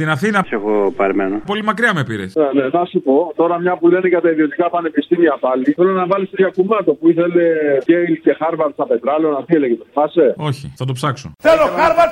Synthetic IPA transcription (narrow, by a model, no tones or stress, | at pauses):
t̪inɐθinɐseɣopɐɾimenopo̞limɐkɾiɐmepiɾḛsnenenɐsupo̞t̪o̞ɾɐmɲɐpule̞neʝɐt̪ɐiðio̞t̪ikɐpɐne̞pist̪imiɐpɐliθelonɐvɐlist̪oçɐkumɐt̪opuiθe̞le̞ejlce̞xɐɾvɐɾst̪ɐpe̞t̪ɾɐlonɐθilecet̪ofɐseo̞çḭθɐt̪opsɐksoθeloɐɾvɐɾ